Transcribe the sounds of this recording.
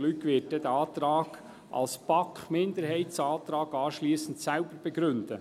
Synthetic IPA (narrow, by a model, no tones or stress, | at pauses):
lykʋɪːt̚d̥̪ɛd̪əɑːt̪ɾɑːɡ̥ | ʔɑ̰lspɑkχmɪnd̪əɾhɛɪtsɑːt̪ɾɑːɡɑːʃliːsən̩t̪sælbəɾb̥ɛɡɾʏnd̪̥ə